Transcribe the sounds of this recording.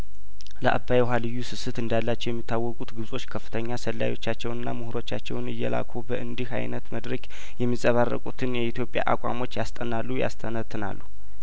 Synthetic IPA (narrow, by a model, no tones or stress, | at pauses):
ləʔa̰bːajɛɦalɨjːusɨsɨt̪ɨnd̪alːat͡ʃːɛjɛmːit̪ʰːawːɔkʼut̪ɡɨβsʼo̞t͡ʃːkʰəfːɨ̥t̪ʰəɲːasəlːa̰jo̞̰t͡ʃːat͡ʃːɛwɨnːa̰muhɨɾo̞t͡ʃːa̰t͡ʃːɛwnɨjːɛla̰kʰobəʔɨnd̪iha̰jnət̪məd̪ɾəkʼ | jɛmːizʼəβarːə̰kʼut̪ʰɨnjɛit̪ʰjo̞pʼja̰ʔakʷʼa̰mo̞t͡ʃːjast̪ʼənalːuja̰st̪ʰənət̪ʰːɨna̰lːu